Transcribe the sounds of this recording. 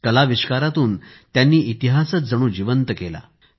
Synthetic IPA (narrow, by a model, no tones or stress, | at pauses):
kəlaʋiɕkaɾat̪uːn | t̪janːiːʔit̪iɦasət͡sd͡zəɽ̃uːd͡ʑiʋənt̪əkela̰